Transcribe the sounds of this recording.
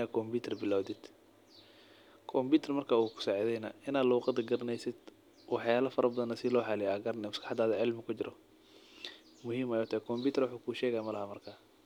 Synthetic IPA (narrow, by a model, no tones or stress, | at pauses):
akʰɔmbiːt̪ʰɐrbɪlawd̪ɪd̪̥ | kʰɔmbuːt̪ʰɐrmɐrkʰaːuːkʰʊ̥saːʕɪðɛjnɐ̰ɪnaːd̪luːqɑd̪ɐɡɐɾɐnɛjsɪd̪ | wɑħjaːlɐfɐɾʔɐbɐðɐnɐsɪlɔːħɑlɪjaɡɐɾnɛmɐskɑ̥ħɑd̪aːðɐʕɪlmɪkʰʊt͡ʃɪɾʔɔ̰ | mʊhiːmɐjɔt̪ʰɐɛkʰɔmbuːt̪ʰɛrwɑħuːkʰuːʃɛːɣɛjamɐlɐhɐmɐrkʰaː